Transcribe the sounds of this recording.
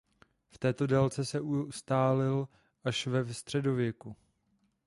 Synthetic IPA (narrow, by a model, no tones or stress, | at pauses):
ft̪ɛːt̪o̞dɛlt͡sɛsɛʔust̪aːlɪl | ʔaʃvɛfst̪r̝̥ɛdo̞vjɛku